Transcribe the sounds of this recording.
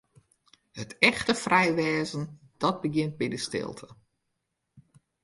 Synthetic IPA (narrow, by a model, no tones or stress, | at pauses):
hətɛxtəfrɛjʋɛːzən̩ | d̥ɔt̚bəɡjɪnt̚bɛdəstɪ̰lˠtʰə